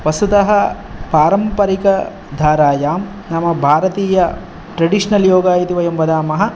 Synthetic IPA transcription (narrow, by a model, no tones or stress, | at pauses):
ʋɐsut̪ɐɦɐ | paːɾɐmpɐɾikɐ | d̪ʱaːɾaːjaːm | nɐmɐbʱaːɾɐt̪iːjɐ | ʈɾɐɖiʂɐnɐljoːɡaːjit̪iʋɐjɐmʋɐd̪aːmɐɦɐ̆